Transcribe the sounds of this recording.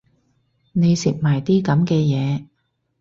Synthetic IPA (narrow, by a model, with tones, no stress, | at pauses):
ne˨˧jsḭ˨p̚maː˨˩jt̪iː˥kɐ˨˥mkɛː˧jɛː˨˧